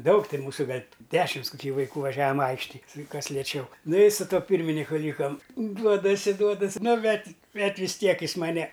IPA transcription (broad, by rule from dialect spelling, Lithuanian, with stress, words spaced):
ˈdɐʊk ˈtʲɪn ˈmuːsʊ ˈɡɐlʲ ˈdʲæːʃʲɪms koːˈkʲiː ʋɐɪˈkuː ʋɐˈʒʲæːʋɐm ˈɐɪkʃʲtʲɪj ˈkɐs lʲiɛˈt͡ʃʲɛʊ ˈnʊ ɪ sʊ ˈtuɔ ˈpʲiːrʲmʲɪnʲɪkʊ ˈlʲiːkɐm ˈduɔdɐsʲɪ ˈduɔdɐsʲ ˈnʊ ˈbʲɛt ˈbʲɛt ʋʲɪs ˈtʲiɛk ˈjɪs mɐˈnʲɛ